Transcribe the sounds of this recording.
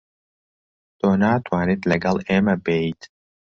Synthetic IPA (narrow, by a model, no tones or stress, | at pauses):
t̪ʰoːnaːt̪ʰwaːnit̪ʰlɐɡɐlˠeːmɐbeit̪ʰ